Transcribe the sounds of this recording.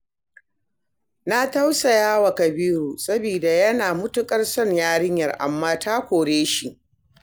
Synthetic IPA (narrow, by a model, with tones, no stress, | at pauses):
na˦ta˦wsa˨jaː˦wa˨kɐ˨biː˦ɾuː˨sɐ˦biː˨da˨jɐ˦naː˨mʊ˦tʊ˦kʼɐ˦rsɔ˦˨ɲjaː˦ɽɪ˦ɲjɐ˨rʔa̰˨mːaː˦taː˦kʷoː˨ɽeː˦ʃi˦˨ʔ